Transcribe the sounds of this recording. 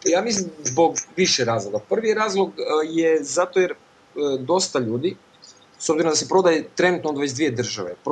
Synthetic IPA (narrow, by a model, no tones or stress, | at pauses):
jaːmislimzboɡʋiʃɛɾaːzlˠoɡapr̩ʋijɾaːzlˠoɡjezat̪ojeɾ | d̪o̞st̪aʎuːd̪i | sobziɾond̪asepɾo̞d̪ajet̪ɾe̞nut̪noːd̪ʋed͡ʑd̪ʋije̞d̪r̩ʒa̰ʋḛp